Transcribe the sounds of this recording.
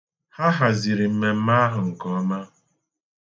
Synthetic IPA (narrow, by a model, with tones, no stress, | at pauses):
ha˦ɦa˨zi˨ɾi˨m̩˦me˦m̩˦ma˦a˦ɦʊ˨ŋ̩˨kɔ˦ma˦